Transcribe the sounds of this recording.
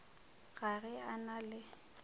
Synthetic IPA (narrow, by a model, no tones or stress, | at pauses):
ɣarɛanalɪ